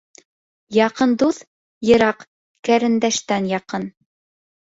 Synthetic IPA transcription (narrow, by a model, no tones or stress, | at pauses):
jɑqɤnd̪uθ | jɤ̆ɾɑq | kæɾɘ̆nd̪æʃt̪ænjɑqɤn